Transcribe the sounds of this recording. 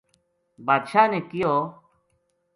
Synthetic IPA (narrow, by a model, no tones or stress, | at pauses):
baːd̪ʃaːnekijo